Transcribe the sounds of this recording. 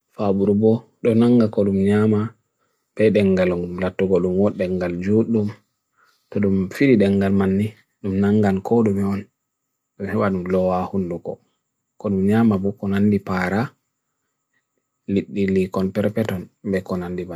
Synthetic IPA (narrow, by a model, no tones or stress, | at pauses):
fabuɾubɔ | ɗɔnaŋɡakɔɗumɲama | bɛɗɛŋɡalumlatːuɡoɗumwɔɗːɛŋɡald͡ʒuɗum | tɔɗumfidiɗɛŋɡalmanːi | ɗumnaŋɡankʰɔɗumɛɔn | ɗumhɛwaɗumlɔwahundukɔ̰ | kɔɗumɲamabɔkɔnandipaɾa | liɗːilikɔnpɛɾpɛtɔnbɛkɔnandiba